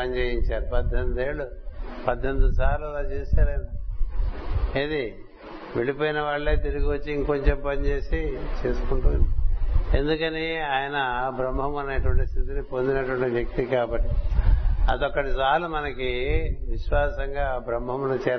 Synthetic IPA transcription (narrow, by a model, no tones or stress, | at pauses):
pɐɲt͡ʃeːjiɲt͡ʃaːɾupɐd̪ʱːend̪e̞ːɭːupɐd̪ʱːend̪usaːɾluɛlaːt͡ʃeːsaːɾɐjna | ed̪i | ʋe̞ɭipoːjinɐʋaːɭːeːt̪iɾuɡiʋot͡ʃːiiŋko̞ɲt͡ʃempɐɲt͡ʃe̞ːsit͡ʃe̞ːsu̥kuɳʈuːnd̪ie̞nd̪ukɐniaːjɐnɐbɾɐmːɐmɐneːʈuʋɐɳʈist̪it̪inipo̞nd̪inɐʈuʋɐɳʈiʋjek̚t̪ikaːbɐʈːi | ɐd̪ɔkːɐʈisaːlumɐnɐkiʋiʃʋaːsɐŋɡaːbɾɐmːɐmunɐt͡ʃɛːɾ